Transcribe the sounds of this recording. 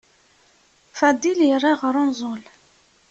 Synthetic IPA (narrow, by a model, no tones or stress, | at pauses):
fæd̪iljərˤːaʁəɾˤʊnzˤol